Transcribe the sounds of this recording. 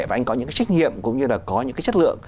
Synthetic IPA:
aː˨˩ʔa˧jŋ̟kɔ˨˦ɨ̰˧˥kːaː˨˦jt͡ɕa˦˥jk̚nḭ˧˨əmkʊ̰˧˥ŋ͡mɲɨ˧laː˨˩kɔ˨˦ɲɨ̰˧˥ŋkːt͡ɕə˦˥t̚lɨ̰˧˨əŋ

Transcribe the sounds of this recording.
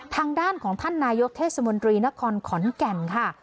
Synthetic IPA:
t̪ʰaː˧ŋdaː˥˩nkʰɔː˩˦ŋt̪ʰa˥˩nːaː˧jo˦˥k̚t̪ʰeː˥˩t̚sa˧mo˧nt̪ɾiː˧na˦˥kʰɔː˧nkʰɔ˩˦nkɛ˧nkʰa˥˩

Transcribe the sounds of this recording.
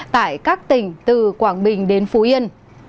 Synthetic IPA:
t̪a̰ː˧˨jkaː˦˥k̚t̪ï˧˩ŋ̟t̪ɨ˨˩kwaː˧˩nɓï˨˩ŋ̟ɗe˨˦nfu˨˦ʔi˧ən

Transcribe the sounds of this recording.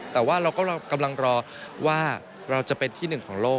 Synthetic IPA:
t̪ɛː˨˩waː˥˩ɾa˧wkɔː˥˩˧ka˧mla˧ŋɾɔː˧ | waː˥˩ | ɾa˧wt͡ɕa˨˩pe˧nt̪ʰiː˥˩nɯ˨˩ŋkʰɔː˩˦ŋloː˥˩

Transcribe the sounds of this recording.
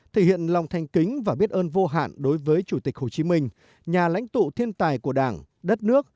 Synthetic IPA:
t̪ʰe˧˩hḭ˧˨ənla˨˩wŋ͡mt̪ʰa˨˩jŋ̟kï˨˦ŋ̟vaː˨˩ɓi˦˥t̚ʔəː˧nvo˧ɦa̰ː˧˨nɗo˨˦jvəː˨˦jt͡ɕu˧˩t̪i˨˩k̚ho˨˩t͡ɕi˨˦mï˧ŋ̟ | ɲaː˨˩la̰˧˥jŋ̟t̪ṵ˧˨t̪ʰi˧ənt̪aː˨˩jku˧˩əɗaː˧˩n | ɗə˦˥t̚nɨ˦˥ək̚

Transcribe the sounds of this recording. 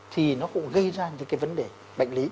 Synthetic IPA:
t̪ʰi˨˩nɔ˨˦kʊ̰˧˥ŋɣə˧jzaː˧ɲɨ̰˧˥ŋkaː˨˦jvə˨˦nɗe˨˩ | ɓa̰˧˨jŋ̟li˨˦

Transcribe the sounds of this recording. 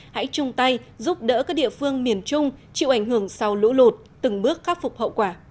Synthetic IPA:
ha̰˧˥jt͡ɕʊ˧ŋ͡mt̪a˧jzu˦˥p̚ɗə̰ː˧˥kaː˦˥k̚ɗḭ˧˨əfɨ˧əŋmi˨˩ənt͡ɕʊ˧ŋ͡mt͡ɕḭ˧˨wʔa˧˩jŋ̟hɨ˧˩əŋsa˧wlṵ˧˥lo˨˩t̚t̪ɨ˨˩ŋɓɨ˦˥ək̚xaː˦˥k̚fʊ˨˩k͡p̚hə̰˧˨wkwaː˧˩

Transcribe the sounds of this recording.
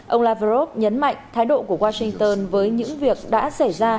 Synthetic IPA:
ʔə˧wlaː˧və˧zo˦˥p̚ɲə˨˦nma̰˧˨jŋ̟t̪ʰaː˨˦jɗo̰˧˨ku˧˩əwaː˧sï˧ŋt̪əː˧nvəː˨˦jɲɨ̰˧˥ŋvi˨˩ək̚ɗa̰ː˧˥sa˧˩jzaː˧

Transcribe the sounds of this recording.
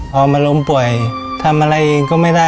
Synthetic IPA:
ʔɔː˧˩maː˧lo˧˥mpu˨˩əj | t̪ʰa˧mʔa˧ɾa˧jʔe˧ŋkɔː˥˩ma˥˩jda˥˩

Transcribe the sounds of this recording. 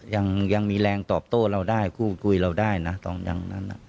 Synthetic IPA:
ja˧ŋja˧ŋmiː˧lɛː˧ŋt̪ɔː˨˩p̚t̪oː˥˩ɾa˧wdaː˥˩jkʰuː˥˩kʰu˧jɾa˧wdaː˥˩jna˦˥t̪ɔː˧ŋja̰ː˨˩ŋna˦˥nʔa̰˨˩ʔ

